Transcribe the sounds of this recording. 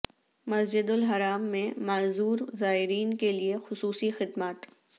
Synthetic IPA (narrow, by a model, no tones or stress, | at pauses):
mɐsd͡ʒɪd̪ʊlɦɐɾaːmːẽmaːzuːɾzaːɦɪɾiːnkeliexʊsuːsixɪd̪maːt̪